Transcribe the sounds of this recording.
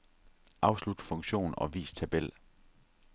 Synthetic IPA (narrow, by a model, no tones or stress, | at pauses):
ʔɑ̈ʊslud̥fɔ̽ŋɡɕo̝̰ːn̩ɒ̽ʋḭːst͡sʰæb̥el̰